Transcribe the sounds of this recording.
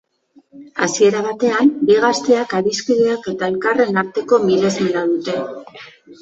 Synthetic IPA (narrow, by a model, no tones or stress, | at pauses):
asie̞ɾaβ̞at̪e̞ambiɣ̞ast̪e̞akaɾiskiðeake̞t̪ae̞lkare̞naɾt̪e̞ko̞mile̞zmenaðut̪e̞